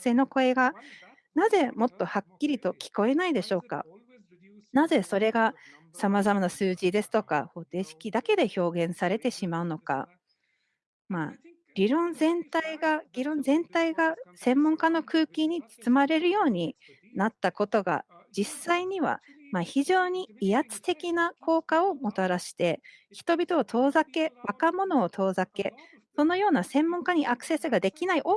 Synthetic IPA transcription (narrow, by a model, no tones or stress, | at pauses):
seːno̞ko̞e̞ɡa | naze̞mo̞t̪ːo̞hakʲːiɾʲit̪o̞kʲi̥ko̞e̞naid̪e̞ɕo̞ːka̰ | naze̞so̞ɾe̞ɡa | samazamanasɨːʑid̪e̞sɨ̥t̪o̞ka̰ho̞ːt̪e̞ːɕi̥kʲid̪ake̞d̪e̞ço̞ːɡẽ̞ɰ̃saɾe̞t̪e̞ɕimaɯ̟no̞ka̰ | maː | ɡ̥ʲiɾõ̞nzẽ̞nt̪aiɡaɡʲiɾõ̞nzẽ̞nt̪aiɡasẽ̞mːõŋkano̞kɯ̟ːkʲiɲ̟it͡sɨ̥t͡sɨmaɾe̞ɾɯ̟jo̞ːɲ̟i | nat̪ːako̞t̪o̞ɡa̰d͡ʑisːaiɲ̟iβa̰maçiʑo̞ːɲ̟iijat͡sɨ̥t̪e̞kʲinako̞ːkao̞mo̞t̪aɾaɕi̥t̪e̞ | çi̥t̪o̞bʲit̪o̞ːt̪o̞ːzake̞βakamo̞no̞ːt̪ʰo̞ːzake̞ | so̞no̞jo̞ːnasẽ̞mːõ̞ŋkaɲ̟iʔakɯ̟̥se̞sɨɡad̪e̞kʲinaiʔo